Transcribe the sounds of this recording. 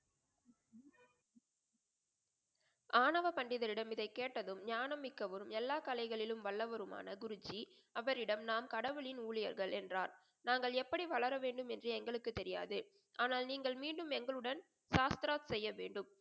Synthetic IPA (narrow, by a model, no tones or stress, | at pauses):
ʔaːɳɐʋɐpɐɳɖɪðɐɾɪɽɐmɪðɐɪkːeːʈːɐðɯmɲaːnɐmːɪkːɐʋɐɾɯmɛlːaːkɐlɐɪɣɐɭɪlɯmʋɐɭːɐʋɐɾɯma̰ːnɐɡʊɾɯd͡ʒi | ɐʋɐɾɪɽɐmnaːmkɐɽɐʋɯɭɪnuːɭɪjɐ̰ɾɣɐɭɛndraːɾ | naːŋɡɐɭɛpːɐɽiʋɐɭɐɾɐʋeːɳɖɯmɛndrɯɛŋɡɐɭɯkːɯt̪ːɛɾɪja̰ːðɯ | ʔaːnaːlniːŋɡɐɭmiːɳɖɯmɛŋɡɐɭɯɽɐn | saːst̪ɾaːt̪sɛjːɐʋeːɳɖɯm